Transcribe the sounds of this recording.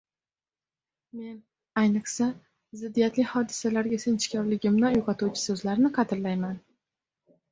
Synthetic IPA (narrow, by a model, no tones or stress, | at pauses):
me̞n | ajnɨχsa | zɪd̪ːijat̪lɪhɒd̪ɪsalaɾɡʲasent͡ʃʰɪ̥kʲʰɒɾlɪɡʲɪmnɒjoqɑt̪uwt͡ʃʰɪ̥sɵzlaɾnɪqʰɑt̪ʰɪɾlajman